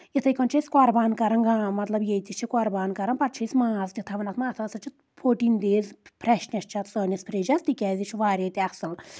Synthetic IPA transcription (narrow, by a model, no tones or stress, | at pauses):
jit̪ʰɐjkɐnt͡ʃʰisʲkɔɾbaːnkɐɾɐnɡamɐt̪lɐbjet̪ʲit͡ʃʰikɔɾbaːnkɐɾɐnpɐɾt͡ʃʰisʲmaːzt̪ʲit̪ʰɐʋɐnɐt̪maːt̪ʰɐːsɐt͡ʃʰit̪ | pʰoːʈind̪eːzpʰɾɛʃnʲɐʃt͡ʃʰɐt̪səːnʲɐspʰɾeːd͡ʒɐzt̪ikʲɛːzʲit͡ʃʰʋaːɾʲet̪ʲiɐsɨl